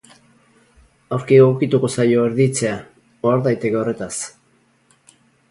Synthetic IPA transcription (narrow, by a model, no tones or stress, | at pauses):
awɾkiɣawkit̪uko̞sajo̞eɾðit͡se̞a | oaɾðajt̪e̞ke̞o̞re̞t̪as